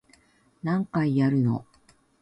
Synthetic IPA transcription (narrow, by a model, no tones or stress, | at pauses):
nãŋkaijaɾɯ̟no̞̰